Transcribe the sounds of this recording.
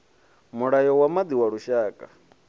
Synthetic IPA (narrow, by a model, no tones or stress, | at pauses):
muɺajɔwamad̪iwaɺuʃaːkʼa̰